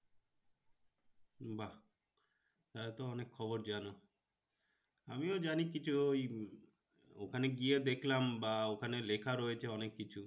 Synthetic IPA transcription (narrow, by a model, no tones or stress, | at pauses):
ba | t̪aet̪ɔɔnekʰːɔboɾd͡ʒano | amiod͡ʒanikit͡ʃʰuoj | okʰaneɡied̪ekʰlambaokʰanelekʰaɾoet͡ʃʰeɔnekːit͡ʃʰu